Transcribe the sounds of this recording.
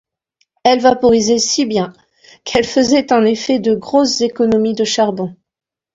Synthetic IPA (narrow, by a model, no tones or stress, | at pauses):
ɛlvapɔʁizesibjɛ̃ | kʰɛlfəzɛt̪ɑ̃nefɛd̪əɡʁosz̥ekɔnɔmid̪əʃaʁbɔ̃